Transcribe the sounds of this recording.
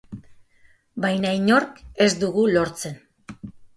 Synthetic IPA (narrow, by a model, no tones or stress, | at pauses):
bajnaiɲo̞ɾke̞zd̪uɣulo̞ɾt͡se̞n